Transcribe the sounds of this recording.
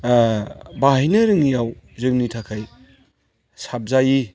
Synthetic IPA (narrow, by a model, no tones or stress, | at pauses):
baɦijnɯɾɯŋijawzɯŋnitʰakʰaj | sap̚zaji